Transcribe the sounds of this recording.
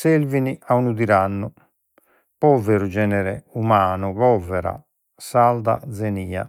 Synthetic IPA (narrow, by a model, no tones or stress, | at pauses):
selviniʔaunud̪iɾanːu | pɔvɛɾud͡ʒɛːnɛɾɛumaːnuβɔvɛɾa̰ | sald̪a̰d̪zeniːa̰